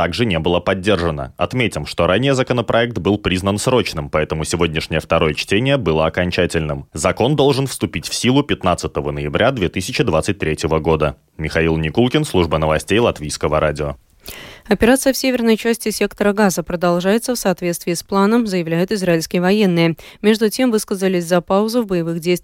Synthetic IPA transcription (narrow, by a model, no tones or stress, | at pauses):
aɡʐɨnʲebɨlˠəpɐdʲːe̞rʐənə̰ɐt̪mʲetʲɪmʂt̪o̞ɾanʲːɪjəzəkənəpɾʔɐɛk̚t̪bɨlˠpɾʲiznənsɾo̞t͡ɕnɨmpɐɛt̪əmʊsʲɪvo̞dʲnʲɪʂnʲɪjəft̪ɐɾo̞jət͡ɕtʲenʲɪjəbɨlˠəɐkɐnʲt͡ɕætʲɪlʲnɨmzɐko̞nd̪o̞lˠʐɨnfst̪ʊpʲitʲfsʲilˠʊpʲɪt̪nat̪sət̪əvənəjɪbɾʲʔad̪vʲet̪ɨsʲɪt͡ɕɪd̪vat̪sɨt̚ʲt̪ɾʲetʲjɪvəɡo̞d̪ə | mʲɪxɐilˠnʲɪkulˠkʲɪnslˠuʐbənəvɐsʲtʲejlˠɐt̪vʲijskəvəɾʔadʲɪo | ɐpʲɪɾat̪sɨjəfsʲevʲɪrnəjt͡ɕæsʲtʲɪsʲe̞kt̪əɾəɡazəpɾəd̪ɐlˠʐajɪt̪səfsɐːt̪vʲetst̪vʲɪːsplˠanəmzəjɪvlʲæjʊt̪ɪzraɪlʲskʲɪjəvɐje̞nːɨjəmʲe̞ʐd̪ʊtʲe̞mvɨskəzəlʲɪsʲzɐpaʊzʊvbəjɪvɨɣdʲejst̪ʲ